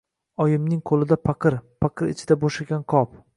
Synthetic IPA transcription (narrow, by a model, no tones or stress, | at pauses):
ɒjɪmnɪŋqʰolɪd̪apʰaqʰɨɾpʰaqʰɨɾɪ̰t͡ʃʰɪd̪aboʃaɡʲanqʰɒp